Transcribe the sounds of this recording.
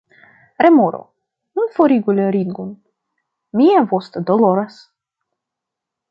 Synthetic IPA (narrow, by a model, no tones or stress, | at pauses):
ɾɛmoɾo̰ | nunfoɾiɡulʲeɾinɡun | miavost̪əd̪oloɾas